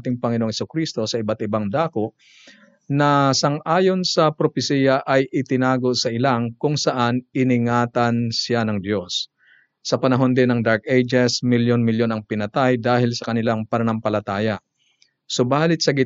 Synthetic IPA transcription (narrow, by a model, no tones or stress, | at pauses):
t̪ɪŋpɐŋɪnoŋhɛsʊkɾist̪o̞sɐɪbat̪ɪbaŋd̪aːkoʔ | nɐsɐŋʔaːjo̞nsɐpɾopɪsiːjɐʔɐjʔɪt̪ɪnaːɡo̞sɐʔɪlaŋkʊŋsɐʔanɪnɪŋaːt̪ɐnsjanɐŋd̪jo̞sː | ɐpɐnɐɦo̞nd̪ɪnːɐŋd̪aɹkʔejd͡ʒɛsmɪljonmɪljo̞nɐŋpɪnɐt̪ajd̪aːhɪlsɐkɐnɪlaŋpɐnɐnɐmpɐlɐt̪aːjɐ | sʊbaːlɪt̪̚sɐɡɪ